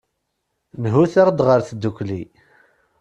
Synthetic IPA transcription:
nɦuθaɾd̪ʁəɾθd̪ːukʷːli

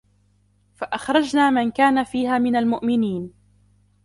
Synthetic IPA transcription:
faʔaxɾˤɑd͡ʒnaːmankaːnafiːɦaːmɪnalmʊʔmɪniːn

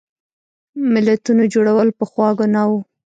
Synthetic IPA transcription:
mɪlat̪unod͡ʒoɽawəlpəxwɑɡonawu

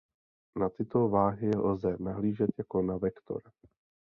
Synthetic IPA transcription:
nat̪ɪt̪ovaːɦɪjɛlzɛnaɦliːʒɛt̪jakonavɛkt̪o̰ɾa

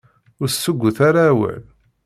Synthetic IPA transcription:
ʊɾsːəɡʷːəθaɾawə̰l

